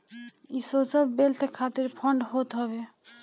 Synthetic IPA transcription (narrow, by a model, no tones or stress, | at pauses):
isosɔlbelt̪ʰekʰat̪iɾpʰɔɳɖɦot̪ɦɔβe